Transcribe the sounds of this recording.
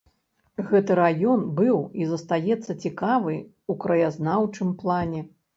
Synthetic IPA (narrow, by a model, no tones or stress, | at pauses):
ɣɛt̪ɨɾajɔnbɨwizɐst̪ajɛt̪sːɐt͡sʲikavɨ | ukɾɐjaznawt͡ʂɨmplˠanʲɛ